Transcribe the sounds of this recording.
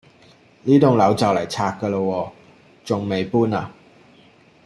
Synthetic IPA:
liː˥t̪ʊ˨˩ŋlɐ˨˥wt͡sɐ˨wlɐ˨˩jt͡sʰaː˧k̚kə˧lə˧wɔː˧ | t͡sʊ˨ŋme˨jpuː˥naː˨

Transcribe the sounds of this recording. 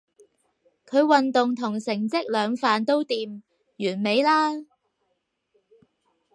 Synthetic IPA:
kʰɵ˨˧ɥwɐ˨nt̪ʊ˨ŋt̪ʰʊ˨˩ŋsɪ˨˩ŋt͡sɪ˥k̚lœː˨˧ŋfaː˨nt̪o˥wt̪iː˨m | jyː˨˩nme˨˧jlaː˥

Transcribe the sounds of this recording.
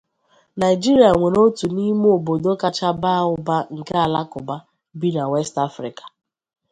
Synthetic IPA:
na˨ɪ˨d͡ʒi˦ɾi˨a˨ŋʷe˨ɾo˦tu˨ni˦m˦o˨bo˨do˦ka˦t͡ʃa˦ba˦˨ʊ˦ba˦ŋ̩˨ke˦a˨la˦kʊ˨ba˦ | bi˦na˨we˦sta˦fɾḭ˨kḁ˨

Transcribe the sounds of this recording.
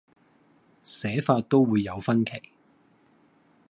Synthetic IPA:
sɛː˨˥faː˧t̚t̪o˥wwuː˨˧jːɐ˨˧wfɐ˥nkʰe˨˩j

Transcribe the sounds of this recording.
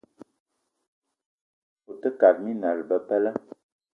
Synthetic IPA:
o˨tə˦ka˨d̚mi˦na˨lbə˨pɛ˦lə˦

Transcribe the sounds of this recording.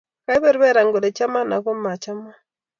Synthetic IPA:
ka˦i˦βɛ˦ɾβɛ˦ɾa˨ŋɡɔ˨ɾe˨t͡ʃa˦ma˦na̰˨kɔ˦ma˨t͡ʃa˦ma˦

